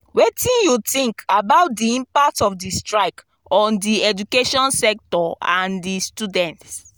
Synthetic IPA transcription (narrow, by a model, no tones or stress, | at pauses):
wetĩnjutĩŋkabaʊt̚diĩmpak̚tɔfdistɹaɪk | ɔ̃ndiɛd͡ʒukeʃɔ̃nsɛk̚tɔãndistudɛ̃nt